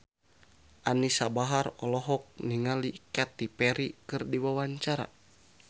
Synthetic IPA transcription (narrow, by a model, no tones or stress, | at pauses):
ʔanisabaɦarɔlɔɦɔk̚niŋalikat̪ipɛɾikɨrdiwawaɲt͡ʃaɾa̰